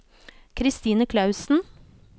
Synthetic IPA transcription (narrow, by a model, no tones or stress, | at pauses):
kʰɾɪst̪iːnəkʰlɑʉsn̩